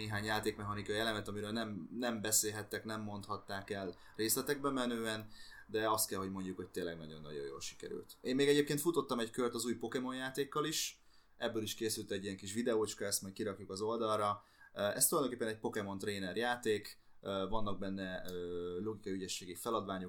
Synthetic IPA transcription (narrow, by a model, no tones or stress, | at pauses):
eːɦaːɲjaːt̪eːkmɛɦɒnikɒiɛlɛmɛt̪ɒmiɾøːlnɛmnɛmbɛseːlɦɛt̪ːɛknɛmːo̞nt̪hɒt̪ːaːkɛl | reːslɛt̪ɛɡ̚bɛmɛnøːɛnd̪ɛɒst̪̚kɛlɦo̞ɟmo̞ɲɟukho̞c̚t̪eːnlɛ̰ɡnɒ̰ɟo̞nːɒ̰ɟo̰jo̰ːlʃi̥kɛ̰ɾy̰lt̪eːmmeːɡɛɟeːpkeːnt̪fut̪o̞t̪ːɒmɛckørt̪ɒzuːjpo̞kɛmo̞njaːt̪eːkːɒliʃ | ɛbːøːliʃkeːsylt̪ɛɟːijɛŋkiʃʋid̪ɛoːt͡ʃkɒɛst̪mɔjkiɾɒkjukɒzo̞ld̪ɒlrɒ | ɛ̰st̪ulɒjd̪oŋkepːɛnɛc̚po̞kɛmo̞nt̪reːnɛrjaːt̪eːk | vɒnːɒɡ̚bɛnːɛøːlo̞ɡikɒjyɟɛʃːeːɡifɛlɒd̪ʋaːɲo̞